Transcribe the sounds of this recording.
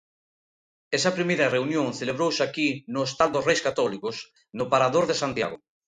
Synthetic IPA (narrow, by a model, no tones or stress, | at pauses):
ɛsɐpɾimejɾɐreunjõŋθeleβ̞ɾowsakinoest̪ald̪osrejskat̪ɔlikos | nopaɾaðoɾðesant̪ja̰ɣo